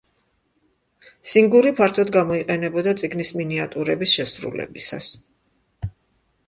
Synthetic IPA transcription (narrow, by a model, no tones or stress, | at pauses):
siŋɡuɾipʰaɾt̪ʰɔd̪ɡamɔiqʼɛnɛbɔd̪at̪sʼiɡnisminiat̪ʼuɾɛbisʃɛsɾṵlɛ̰bisa̰s